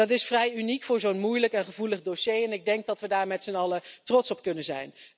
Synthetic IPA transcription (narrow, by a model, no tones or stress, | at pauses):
ɑtɪsfrɛjynikfʊːɹzownmujləkɛnχəvuləχdoʃejɛnɪɡ̚dɛŋk̚dɑtʋədaːɹmɛtsənɑlətrɔtsɔpkɵnənzɛ̰jn